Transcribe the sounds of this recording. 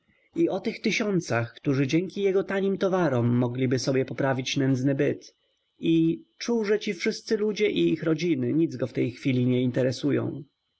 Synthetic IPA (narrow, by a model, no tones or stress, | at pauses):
iɔt̪ɘxt̪ɘɕɔnt̪saxkt̪uʐɘd͡ʑɛŋkʲijɛɡɔt̪aɲimt̪ɔvaɾɔmːɔɡlʲibɘsɔbʲjɛpɔpɾavʲit͡ɕnɛnd̪znɘbɘt̪ | it͡ʂuwʐɛt͡ɕifʂɘst̪sɘlud͡ʑɛʔiixɾɔd͡ʑinɘɲid̪zɡɔft̪ɛjxfʲilʲiɲɛint̪ɛɾɛsujɔ̰̃w̃